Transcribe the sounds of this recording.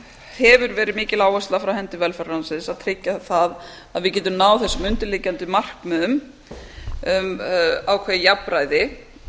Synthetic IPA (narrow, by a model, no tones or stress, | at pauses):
hɛvʏɾvɛːɾɪðmɪːcɪlaːwɛst̪lafɾawhɛnt̪ɪvɛlfɛɾansɪnsaðt̪ʰɾɪcːaθað | aðvɪðcɛːt̪ʏmnaːwθɛsːʏmʏnt̪ʏliːcant̪ʏmar̥kmɛðʏm | ʏmaːwkʰvɛjɪjapːɾaːjðɪ